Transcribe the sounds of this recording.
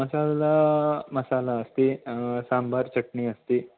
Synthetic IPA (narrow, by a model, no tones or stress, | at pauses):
mɐsalalamɐsalaəst̪isambʱaɾt͡ɕəʈɳiːəst̪iː